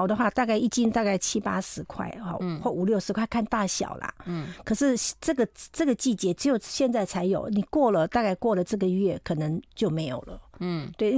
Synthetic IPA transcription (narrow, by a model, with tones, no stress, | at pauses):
ʊd̪ə˦xwa˥˧t̪a˥˧ka˥˧ɪi˥˩t͡ɕi˥ŋt̪a˥˧ka˥˩ɪt͡ɕʰi˥pa̰˥ʂɻ̩˧˥kʰwa̰˥˩ɪɔ̰˥˨˩xwɔ˥˩u˨˩ljo˥˩ʊʂɻ̩˧˥kʰwa˥˧ɪkʰa˥˧nt̪a˥˩ɕjɑ̰˨˩ʊla̰˦kʰɤ˨˩ʂɻ̩˥˧ʈ͡ʂɤ˥˩ɡə˩ʈ͡ʂɤ˥˩ɡə˩t͡ɕi˥˩t͡ɕjɛ˧˥ʈ͡ʂɻ̩˧˥jo˨˩ʊɕjɛ˥˧nt͡sa˥˩ɪt͡sʰa˧˥ɪjo˨˩ʊni˨˩kwɔ˥˩lə˨t̪a˥˧ka˥˧ɪkwɔ˥˩lə˩ʈ͡ʂɤ˥˩ɡə˩ɥɛ˥˩kʰɤ˨˩nə˧˦ŋt͡ɕjo˥˩ʊme˧˥ɪjo˨˩ʊlə̰˦t̪we˥˩ɪ